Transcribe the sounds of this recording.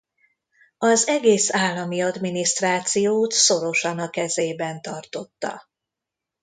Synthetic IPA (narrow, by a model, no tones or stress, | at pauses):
ɒzɛɡeːsaːlːɒmiɒd̪minist̪raːt̪sijoːt̪so̞ɾo̞ʃɒnɒkɛzeːbɛnt̪ɒrt̪o̞t̪ːɒ̰